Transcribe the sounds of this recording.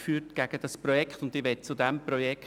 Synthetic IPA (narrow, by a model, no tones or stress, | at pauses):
fyːtɡ̥æɡ̥əd̥ɑspɾɔjɛkχt̪ʊndɪʋɛt̚t͡sudɛmpɾɔjɛk